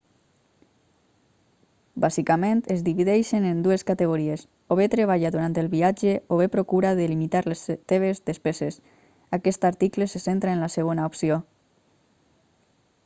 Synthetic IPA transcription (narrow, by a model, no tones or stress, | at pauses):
bazikament̪ezðiβiðɛʃenend̪ueskat̪eɣ̞oɾies | oβet̪ɾeβ̞aʎaðuɾant̪elˠβiad͡ʒeoβepɾokuɾaðelimit̪aɾlest̪eβ̞ezðespezes | akɛst̪aɾt̪iklesesent̪ɾaenlaseɣ̞onaopsio